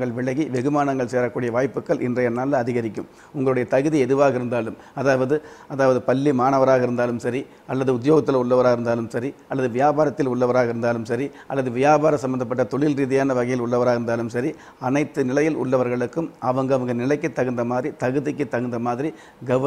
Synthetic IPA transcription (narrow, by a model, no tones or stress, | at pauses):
ɡɐɭʋɪɭɐɣiʋɛɣɯmaːɳɐŋɡɐɭseːɾɐkːuːɽɪjɐʋaːjpːɯkːɐɭʔɪ̰ndrɐjɐnaːlɐɐðɪɣɐɾɪkːɯm | ʊŋɡɐɭɯɽɐjɐt̪ɐɣɯðiɛðɯʋaːɣɪɾɯnd̪aːlɯm | ɐðaːʋɐðɯ | ɐðaːʋɐðɯpɐlːimaːnɐʋɐɾaːɣɐɪɾɯnd̪aːlɯmsɐɾi | ɐlːɐðɯʊðjoːɣɐt̪̬ːɪlʊɭːɐʋɐɾaːɣɪɾɯnd̪aːlɯmsɐɾiɐlːɐðɯʋɪjaːbaːɾɐt̪ːɪlʊɭːɐʋɐɾaːɣɐɪɾɯnd̪aːlɯmsɐɾi | ɐlːɐðɯʋɪjaːbaːɾɐsɐmːɐnd̪ɐpːɐʈːɐt̪ɔɭɪlɾiːðɪjaːnɐʋɐɣɐjɪlʊɭːɐʋɐɾaːɪɾɯnd̪aːlɯmsɐɾi | ɐnɐɪt̪ːɯnɪlɐjɪlʊ̰ɭːɐʋɐɾɣɐɭɯkːɯmɐʋɐŋɡɯɐʋɐŋɡɐnɪlɐɪkːɯt̪ːɐɣɯnd̪ɐmaːðɾit̪ɐɣɯðɪkːɯt̪ːɐɣɯnd̪ɐmaːðɪɾi | ɡɐ